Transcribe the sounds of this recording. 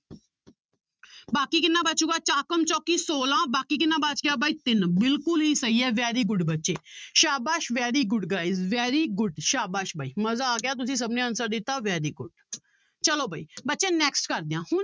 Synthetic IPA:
baːkiːkɪnːaːbətːt͡ʃũːɡaːt͡ʃaːkəmt͡ʃɔːkiːsoːlãːbaːkiːk̬ɪnːãːbat͡ʃɡɪjaːbaːiːt̪ɪnbɪlkʊlɦiːsəɦiːɛːʋɛːɾiːɡʊɖbətːʃeːʃaːbaːʃʋɛːɾiːɡʊɖɡaːizʋɛːɾiːɡʊɖʃaːbaːʃbʱaːiːməzaːɡɪjaːt̪̬ʊsĩːs̬əbnẽːənsəɾd̪ɪt̪ːaːʋɛːɾiːɡʊɖ | t͡ʃəloːbʱaːiːbətːʃẽːnɛːksʈkəɾd̪ejãːhʊn

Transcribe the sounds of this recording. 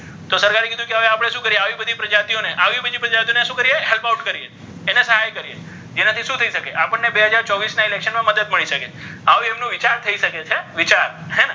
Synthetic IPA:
t̪osəɾkaɾekid̪ʱũkeɦəʋeapɽ̃eʃũkəɾieaʋibəd̪ʱipɾəd͡ʒat̪ioneʔaʋibəd̪ʱipɾəd͡ʒat̪ioneʃũkəɾieɦelpawʈkəɾieː | nesəɦajkəɾie | d͡ʒenat̪ʰiʃũt̪ʰəiʃəkeʔapəɳːebeɦəd͡ʒaɾt͡ʃɔʋisnaɪlekʃənmãməd̪əd̪̚məɭiʃəke | aʋuemnũʋit͡ʃaɾt̪ʰəiʃəket͡ʃʰeʋit͡ʃaɾɦɛnɛ

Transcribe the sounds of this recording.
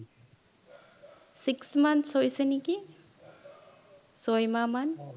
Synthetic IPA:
siksmansɔjsəniki | sɔjmaman

